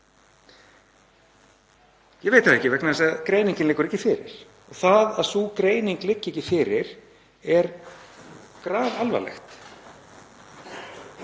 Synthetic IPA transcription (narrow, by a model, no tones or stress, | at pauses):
jɛɣveːjt̪aðɛhcːɪvɛknaðɛsaðkɾeːjniŋcɪnlɪkːʏɾɛhcːɪfɪɾɪ̰ɾ̥ | ɔɣθaðaðsukɾeːjniŋklɪcːɛcːɪfɪɾɪɾ̥ | ɛɾ | kɾaːðalva̰lɛ̰xt̪